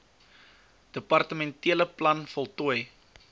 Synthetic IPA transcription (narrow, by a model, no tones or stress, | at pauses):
d̥əpɐrtəmɛntiələplɐnfɔlˠtuəj